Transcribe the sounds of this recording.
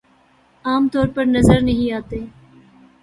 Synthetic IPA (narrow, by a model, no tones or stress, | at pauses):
aːmt̪ɔːɾpɐɾnɐzəɾnɐɦĩaːt̪eː